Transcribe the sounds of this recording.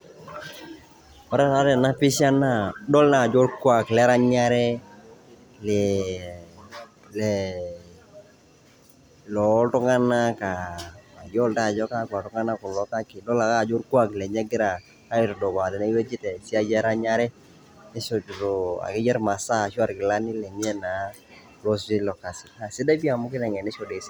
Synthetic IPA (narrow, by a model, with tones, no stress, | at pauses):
ɔ˨˦ɾa˦ɾa˨˦tɛ˨na˦pɪ˦ʃa˦na˦˨dɔ˦lna˨d͡ʒɔ˦lkwa˨klɛ˦ɾa˦ɲa˦ɾɛ˦ | lɛ˨ | lɛ | lɔ˨˦ltʊ˦ŋa˦na˦ka˨a˨d͡ʒɔ˦lta˦˨d͡ʒɔ˦ka˦ku˨a˨tʊ˦ŋa˦na˦kɔ˨lɔ˦ka˦kɪ˨dɔ˦la˨ka˦˨d͡ʒo˦ɾku˦a˨klɛ˨ɲɛ˦ɡɪ˦ɾa˨ | ka˦ɪ˨tɔ˨dɔ˨ba˨tɛ˨na˦i˦wɛ˦t͡ʃi˦tɛ˨si˦a˦d͡ʒɛ˦ɾa˦ɲa˦ɾɛ˦ | nɪ˦ʃɔ˨ɾo˨a̰˨kɪ˦d͡ʒɛ˦ɾma˨sa˦˨ʃu˦a˦˨ɾkɪ˨la˦nɪ˦lɛ˨mi˦ɛ˦na˨˦ | lɔ˦s̬d͡ʒi˦lɔ˨ka˨sɪ˨a˨sɪ˦da˦bi˦a˨mʊ˦kɪ˦nɛ˨ŋɛ˨nɪ˦ʃɔ˨de˨˦s